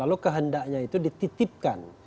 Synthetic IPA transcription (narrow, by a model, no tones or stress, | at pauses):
alukəɦəndaʔɲait̪udit̪it̪ɪp̚ka̰n